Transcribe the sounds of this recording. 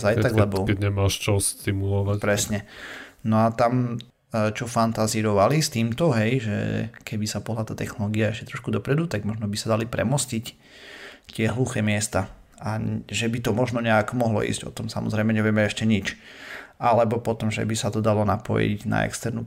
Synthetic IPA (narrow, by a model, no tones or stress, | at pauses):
zajt̪aɡlɛbɔkɛɲɛmaːʃt͡ʃɔst̪imulɔʋapɾɛsɲɛnɔat̪am | t͡ʃɔfant̪aziɾɔʋalist̪iːmt̪ɔɦɛjʒɛ̰kɛbisapɔɦlaːt̪aːt̪ɛxnɔlɔːɡiaɛʃcɛt̪ɾɔʃkud̪ɔpɾɛd̪ut̪aɡmɔʒnɔbisad̪alipɾɛ̰mɔscic | t̪ɪɛɦluxɛːmɪɛst̪a | aʒɛbit̪ɔmɔʒnɔɲɛakɔmɔɦlɔ̰ʔḭzɟɔ̰t̪ɔmsamɔ̰zɾɛɪmɛɲɛʋɪɛmɛɛʃcɛɲit͡ʃʔalɛbɔpɔt̪ɔmʒɛ̰bisat̪ɔd̪alɔnapɔ̰jḭɟna̰ɛ̰kst̪ɛɾnu